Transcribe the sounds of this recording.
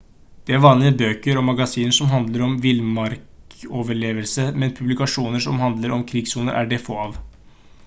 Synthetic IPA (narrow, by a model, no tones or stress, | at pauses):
d̪̥ɛæɾʋɑːnlɪəbøːkəɾɔmɑɡɑsiːnəʂɔmɦɑnd̪ləɾɔmʋɪlmɑɾkoːʋəɭeːʋəlsəmɛnpʰʉblɪkɑʂuːnəʂɔmhɑnd̪ləɾɔmkʰɾɪɡsuːnə̰ɾʔæ̰ɖefoːɑːʋ